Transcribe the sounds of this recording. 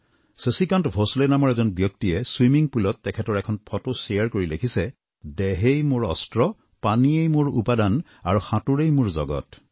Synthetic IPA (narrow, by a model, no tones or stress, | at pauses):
səsikantbʱosulenamɔɹɛzɔnbjɔk̚tiɛswimiŋpulɔtːɛkʰɛtɔɹɛkʰɔnpʰɔtoseaɹkoɹilekʰisɛ | dɛɦejmoɹɔ̰stɹɔ | paniejmoɹṵpadan | aɹuxatuɹejmʊɹzɔ̰ɡɔ̰t